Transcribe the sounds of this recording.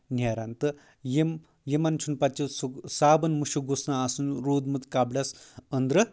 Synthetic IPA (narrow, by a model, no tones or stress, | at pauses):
njaɾant̪ɨ | jem | jemant͡ʃʰunpɐt͡ʃːisusaːbɐnmuʃuɡosnaaːsunɾoːd̪mɐt̪kaːbɽɐsɐnd̪ɾɨ